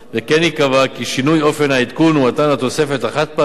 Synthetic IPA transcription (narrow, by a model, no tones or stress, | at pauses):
vekenikavakiʃinujo̞fe̞nait̪kunuat̪anat̪o̞se̞fe̞t̪aχat̪̚ba